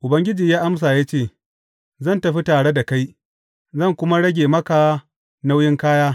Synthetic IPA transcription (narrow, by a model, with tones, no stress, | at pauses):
ʔʊ˨bɐ˦ŋɡʲɪ˦d͡ʒiː˨jaː˦ʔa˦ms̬aː˨jaː˦t͡ʃeː˦˨ | zɐ˦˨ntɐ˨ɸi˦taː˨ɽe˦da˨ka˦j | zɐ˦˨ŋkʷʊ˦ma˦ɽɐ˦ɡʲeː˨mɐ˦ka˨˦ | na˦wjɪ˦ŋkaː˦jaː˦